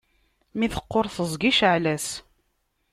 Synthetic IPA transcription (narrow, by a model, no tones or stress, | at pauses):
miθə̥qːoɾθəzˤɡiʃʕlæs